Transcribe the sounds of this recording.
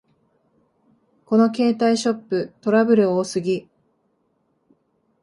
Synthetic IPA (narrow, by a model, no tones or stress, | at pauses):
ko̞no̞ke̞ːt̪aiɕo̞pːɯ̟t̪o̞ɾabɯ̟ɾɯ̟oːsɨɡʲi